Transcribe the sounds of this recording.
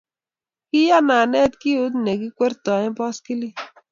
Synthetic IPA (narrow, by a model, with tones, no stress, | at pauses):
ki˦ja˦na˨nɛ˦tki˦o˦t̬ne˨ki˦kʷe˦ɾtɔ˨ɪ̃˦bɔ˦ski˦li˦